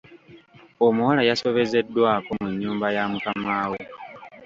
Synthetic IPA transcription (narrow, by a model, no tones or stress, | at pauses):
omuwalajaso̞βe̞ze̞dːwaːkomuɲːuːmbajamukamaːwe